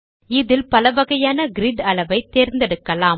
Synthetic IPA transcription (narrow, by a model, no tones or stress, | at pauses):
ɪðɪlpɐlɐʋɐɣɐjaːnɐɡɪɾɪɖɐlɐʋɐɪt̪ːeːɾnd̪ɛɽɯkːɐlaː